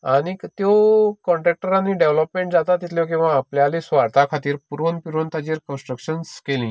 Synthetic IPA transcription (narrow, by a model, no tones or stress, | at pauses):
añit̪jokɔɳʈɾek̚ʈəɾanːiːɖeʋləpmeɳʈd͡zat̪at̪ːit̪ʰljok̬ĩw̃ʋaːpljalisʋaɽt̪akʰat̪iːɾpuɾonpiɾont̪ad͡ʑiːɾkə̃nsʈɾəkɕənskelĩː